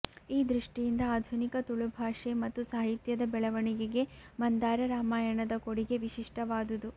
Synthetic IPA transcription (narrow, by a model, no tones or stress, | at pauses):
iːd̪ɾiʂʈijind̪ɐaːd̪ʱunikɐt̪uɭubʱaːʂemɐt̪ːusaːɦit̪jɐd̪ɐbɛɭɐʋɐɳiɡeɡe̞mɐnd̪aːɾɐɾaːmaːjɐɳɐd̪ɐkoɽiɡe̞ʋiʃiʂʈɐʋaːd̪ud̪u